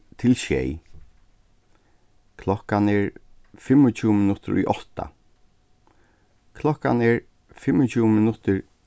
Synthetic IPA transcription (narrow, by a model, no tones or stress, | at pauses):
t̪ʰɪlʃɛ̰j | kʰlɔkanɛɹ | fɪmʊt͡ʃʰuːmɪnʊt̪ɪɹʊ̰jʔɔht̪a̰ | kʰlɔkanɛɹ | fɪmɔt͡ʃʰuːmɪnʊt̪ɪɹ